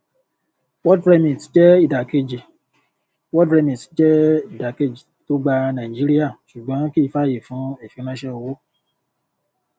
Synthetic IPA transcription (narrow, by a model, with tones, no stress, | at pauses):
wɔ˦dɾɛ˧mĩ˨td͡ʒɛ˦i˦˨da˨ke˧d͡ʒi˨ | wɔ˦dɾɛ˧mĩ˨ti˨˦d͡ʒɛ˦i˦˨da˨ke˧d͡ʒi˨to˦ɡ͡ba˧nã˨i˨d͡ʒi˦ɾi˦ja˦˨ʃu˨ɡ͡bɔ̃˨˦ki˦˧˦fa˦˨je˨fũ˨˦e˦˨fĩ˨˦ɾ̃ã˦ʃɛ˦o˧wo˦